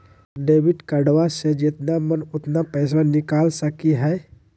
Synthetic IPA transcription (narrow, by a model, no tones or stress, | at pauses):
ɖeːbɪʈkəɖwased͡ʒɪt̪namənʊt̪napɛːs̬anɪkaːlsəkiɦɛː